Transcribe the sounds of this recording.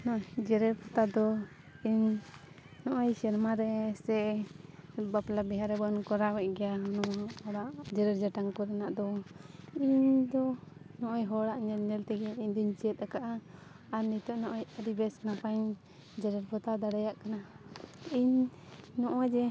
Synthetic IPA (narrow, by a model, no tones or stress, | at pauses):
nɔd͡ʒɛɾɛɾpʰɔt̪ad̪ɔ | iɲ | nɔʔɔjsɛɾmaɾɛsɛ | baplabɛɦaɾɛbɔnkɔɾawɛʔ̚ɡɛjaɔnɔwaɔɽaʔd͡ʒɛɾɛɾd͡ʒaʈaŋkɔɾɛnaʔd̪ɔ | iɲd̪ɔnɔʔɔjɦɔɽaʔɲɛlɲɛlt̪ɛɡɛiɲd̪iɲt͡ʃiɛt̪̚ˀakaʔaː | ɾnit̪ɔʔnɔʔɔjaɾibɛsnapaɲ | d͡ʒɛɾɛɾpʰɔt̪ad̪aɽajaʔkana | iɲnɔʔɔd͡ʒɛ